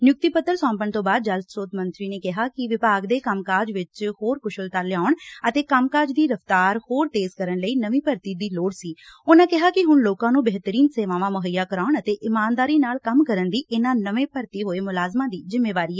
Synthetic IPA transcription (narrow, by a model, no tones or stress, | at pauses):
njʊk̚t̪iːpət̪ːəɾsɔ̃ːmpənt̪õːbaːd̪̚d͡ʒəlt̪soːt̪mə̃nt̪ɾiːneːkɪɦaːkɪʋɪpaːɡd̪eːkəmkaːɾd͡ʒʋɪt͡ʃhoːɾkʊʃəlt̪əɾlɪjaːʊɳət̪eːkəmkaːd͡ʒd̪iːɾəft̪aːɾhoːɾt̪eːzkəɾənləiːnəʋĩːpəɾt̪iːd̪iːloːɽsiːʊnãːkɪɦaːkɪɦʊɳloːkãːnũːbɛɦt̪əɾiːnseːʋãːʋãːməɦəjːaːkəɾaːʊɳət̪eːʔɪmaːnd̪aːɾiːnaːlkəmkəɾənd̪iːʔɪnãːnəʋẽːpəɾt̪iːɦoːeːmʊlaːzmãːd̪iːzɪmːeːʋaːɾiːɛ